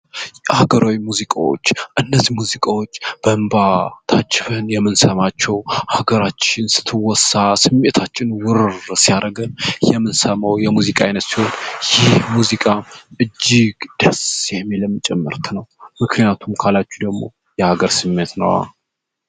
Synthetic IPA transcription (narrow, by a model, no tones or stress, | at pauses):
haɡəɾʔawimuzikʼawo̞̰t͡ʃːʔɨnːəzːimuzikʼawo̞t͡ʃːb̥əmbat̪ʰat͡ʃʼːɪfɨnjɛmːɨnsəmat͡ʃːɛwhaɡəɾat͡ʃːɪnsɨ̥t̪ʰːɨwɔsasɨmːe̞t̪ʰat͡ʃːɪnwʊɾrsijaɾʔəɡənjɛmːɨnsəmawjɛmuzikʼaajnət̪siho̞njɪhmuzikʼaʔɨd͡ʒːɪɡd̪̥əsjɛmeləmːɨt͡ʃʼɛmːɨɾt̪ʰnəwmɨkʰnijat̪ʰumkʰalat͡ʃːud̪əɡmo̞̰ | jɛhaɡəɾsɨmːe̞t̪nə̰wa̰